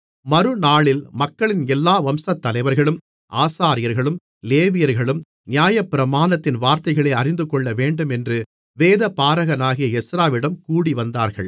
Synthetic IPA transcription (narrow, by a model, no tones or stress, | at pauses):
mɐɾɯnaːɭɪlmɐkːɐɭɪnɛlːaːʋɐmsɐt̪ːɐlɐɪʋɐɾɣɐɭɯm | ʔaːsaːɾɪjɐɾɣɐɭɯm | leːʋɪjɐɾɣɐɭɯm | nɪjaːjɐpːɪɾɐmaːnɐt̪ːɪnʋaːɾt̪ɐɪɣɐɭeːɐrɪnd̪ɯkɔɭːɐʋeːɳɖɯmɛndrɯ | ʋeːðɐpaːɾɐɣɐnaːɣɪjɐɛsɾaːʋɪɽɐmkuːɽiʋɐnd̪a̰ːɾɣɐ̰ɭ